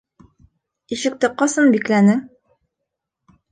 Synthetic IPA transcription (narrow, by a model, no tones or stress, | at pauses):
iʃɘ̆k̚t̪ɘqɑsɤnbiklænɘŋ